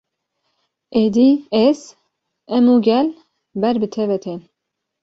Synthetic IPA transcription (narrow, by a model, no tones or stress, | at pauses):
ʔed̪ies | ɛmuːɡɛl | bɛɾbɨt̪ʰɛvɛt̪ʰe